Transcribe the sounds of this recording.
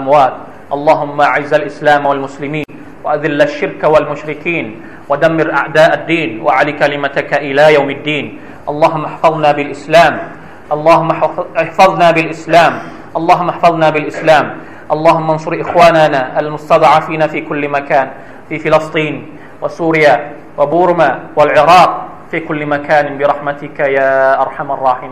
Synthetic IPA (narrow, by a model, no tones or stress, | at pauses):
ʔamwaːt̪̚ | ʔɑlˤːɑːɦʊmːaʔaʕɪzalʔɪslaːmwalmʊslɪmiːn | waʔad̪ɪlːaʃːɪɾkawalmʊʃɾɪkiːn | wad̪amːɪɾʔa̰ʕd̪aːʔad̪ːiːnwʔaʕalikalɪmat̪kaʔɪlaːjawmɪd̪ːiːn | ʔɑlˤːɑːɦʊmːaħfɑðˤnaːbɪlʔɪslaːm | ʔɑlˤːɑːhʊmːaħfɑðˤnaːbɪlʔɪslaːm | ʔɑlˤːɑːɦʊmːaħfɑðˤnaːbɪlʔɪslaːm | ʔɑlˤːɑːɦʊmːansˤʊɾʔɪxwaːnanaːʔalmʊst̪ɑd̪ˤʕafiːnaːfiːkʊlːmakaːn | fiːfɪlɑst̪ˤiːn | wasuːɾɪja | wabuːɾmaːwalʕɪɾˤɑːq̚ | fiːkʊlːɪmakaːnbɪɾˤɑħmat̪ɪkajaːʔɑɾˤħamɑrˤːɑːħɪmiː